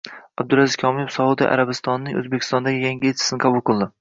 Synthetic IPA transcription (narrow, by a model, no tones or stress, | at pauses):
ab̚d̪ʊɾazɪzkʰɒmijefsɒud̪ḭʔa̰ɾabɪst̪ɒnːɪŋɵ̰zbekʲʰɪ̥st̪ɒnd̪aɡʲɪjaŋɡʲiet͡ʃʰɪ̥sɪnɨqʰɑbʊlˠqɨlˠd̪ɪ